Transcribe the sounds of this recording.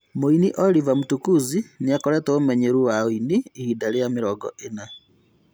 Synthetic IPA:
moiniʔolivamutukuziniakɔɾɛtoomɛɲeɾuwaoiniːhidalijamiɾɔɡɔ̰ʔena

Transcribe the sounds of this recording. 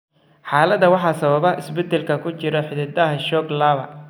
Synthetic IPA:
ħɑːlɐd̪ɐwɑħɑːsɐβɐβɐʔɪsbɛd̪ɛlkʰɐkʰʊt͡ʃɪɾɔħɪðɪd̪ɐɦɐʃɔːɡlaːβɐ

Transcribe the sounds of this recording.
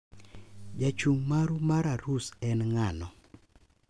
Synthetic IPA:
d͡ʒat͡ʃuŋmaɾumaɾaɾusɛnŋanɔ

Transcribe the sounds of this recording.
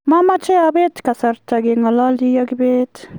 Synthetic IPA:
mamat͡ʃeabet̪kasɐɾt̪ʰaɡeŋɡɐlaːld̪ijaɡbet̪

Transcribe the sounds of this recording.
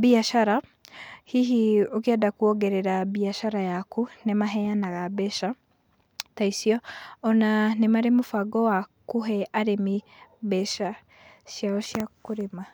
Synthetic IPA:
biaʃaɾahiɦiok̬eadakuɔɡɛɾɛɾabiaʃaɾajakunemaɦɛjanaɣabɛʃa | taisiɔɔnanemaɾemofaɡɔwakoɦɛaɾemibɛʃa | ʃjaɔʃjakoɾema

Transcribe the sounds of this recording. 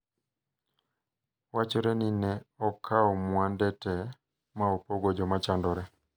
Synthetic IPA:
wat͡ʃoɾɛninɛɔkʰaɔmwandɛtɛ | maopoɡod͡ʒɔmat͡ʃandɔɾɛ

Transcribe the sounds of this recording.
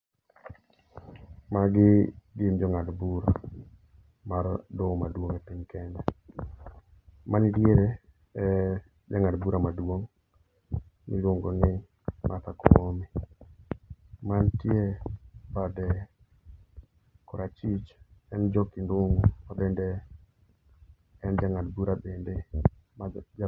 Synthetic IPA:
maɡɪɡɪmd͡ʒɔŋadbuɾa̰ | maɾdɔmadwoŋɛpiɲkɛndɛ | manɪdjeɾe | ɛ | d͡ʒaŋadbuɾʔamadwoŋ | mɪ̰ɾʊŋɡonɪ | mat̪akɔmi | mantjebadɛ | kɔɾat͡ʃit͡ʃɛnd͡ʒɔkindoŋɡomabende | ɛnd͡ʒaŋadbuɾabende | ma

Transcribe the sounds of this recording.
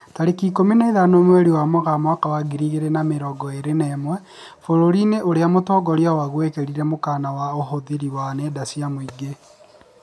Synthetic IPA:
taɾekikomineeðanomweɾiwamoɣamwakawaɡiɾiɣeɾenameɾɔɡɔeɾenɛːmwɛ | foɾoɾineʔoɾeamotɔɡɔɾjawaɣwekeɾiɾɛmokanawaoɦoðiɾiwanedasiamoiɡe

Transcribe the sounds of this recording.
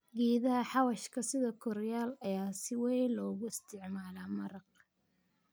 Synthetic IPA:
ɡiːðɐɦɐħɑwɐʃkʰɐsɪðɐkʰɔrjaːlɐjaːsɪwɛjlɔːɣʊɪst̪ʰɪʕmaːlaːmɐɾɐq̚

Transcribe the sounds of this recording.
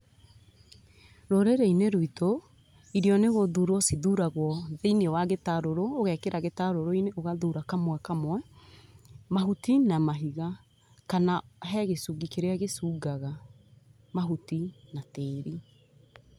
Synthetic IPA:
ɾoɾeɾeineɾwito | iɾiɔneɣoðuɾwɔsiðuɾaɣwɔðeinewaɣetaɾoɾoːɣɛkeɾʔaɣetaɾoɾoineoɣaðuɾakamwɛkamwɛ | maɦutinamaɦiɣa | kanaɦɛɣesuɡikeɾeaɣesuɡaɣa | maɦutinateːɾi

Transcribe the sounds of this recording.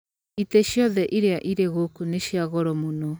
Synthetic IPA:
iteʃjɔðɛʔiɾeaʔiɾeɣokuneʃjaɣɔɾɔmonɔ

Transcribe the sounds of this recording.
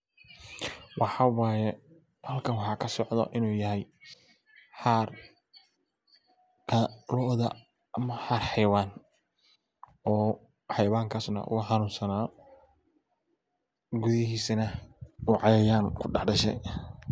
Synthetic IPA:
wʔɑħɑːwɑːjɛ | hɐlkʰɐnwɑħɑːkʰɐsɔʕd̪ɔ̰ʔɪnuːjɐɦɛj | ħaːr | kʰɐlɔːʔðɐ | ɐmɐħaːrħɑjwaːn | ɔː | ħɑjwaːŋkʰaːsnɐ̰ʔʊ̰ɣʊħɑnuːnsɐnaː | ɡʊðɪɦiːsɐnɐuʕɑjɛjaːnkʰʊɖɑħɖɐʃɛ̰j

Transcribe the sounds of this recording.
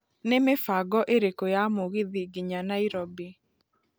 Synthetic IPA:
nemefaɡɔʔeɾekojamoɣiðiɡiɲanaiɾobi

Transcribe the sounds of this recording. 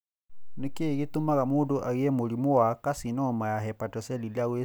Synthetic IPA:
nikeɣit̪umaɣamunduʔaɣiɛmulimowakasinɔmajaɦɛpatɔsɛlilaɣwe

